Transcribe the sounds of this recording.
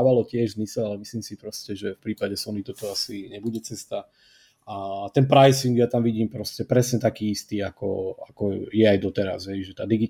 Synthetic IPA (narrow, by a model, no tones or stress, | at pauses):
ʋalɔcɪɛʒzmisɛlalɛmisliːmsipɾɔscɛʒɛfpɾiːpaɟɛsɔnit̪ɔt̪ɔasiɲɛbuɟɛt͡sɛst̪a | at̪ɛnpɾajsiŋɡjat̪amʋiɟiːmpɾɔscɛpɾɛsɲɛt̪akiːist̪iːakɔ̰akɔjɛajd̪ɔt̪ɛɾa̰zɦɛjʒɛt̪aːd̪iɡi